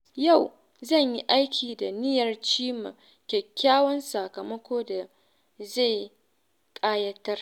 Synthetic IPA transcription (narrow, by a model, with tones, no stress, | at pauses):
ja˦˨w | zɐ˦˨ɲji˦ʔa˦jkʲʰiː˨da˨nɪ˦jɐ˨rt͡ʃiː˦ma̰˨ | kʲɛ˨kʲːaː˦wɔ˦nsa˨kɐ˨mɐ˦kʷoː˦da˨ | za˦˨j | kʼaː˦jɐ˦tɐ˦r